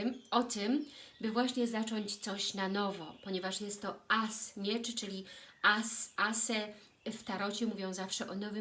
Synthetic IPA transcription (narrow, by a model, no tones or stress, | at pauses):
ɔt̪ɘmbɘvwaɕɲɛzat͡ʂɔɲt͡ɕt̪sɔɕnanɔvɔpɔɲɛvaʂjɛst̪ːɔasmʲjɛt͡ʂt͡ʂɘlʲiasasɛ | ft̪aɾɔt͡ɕɛmuvʲjɔ̃w̃zafʂɛʔɔnɔvɘ